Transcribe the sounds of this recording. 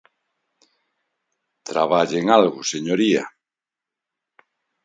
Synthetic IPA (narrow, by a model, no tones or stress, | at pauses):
t̪ɾa̰βaʎeŋalɣʊseɲoɾia̰